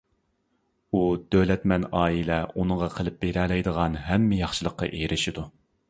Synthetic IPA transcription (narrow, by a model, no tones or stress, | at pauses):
ud̪̥ølɛt̪mɛnɑːilɛunɨʁɑqʰəlˠɪp̚beɾɛlɛjd̪əʁɑnɦɛmːɪjɑχʃɨlˠəqːɑ̰ʔejɾʔɪʃid̪u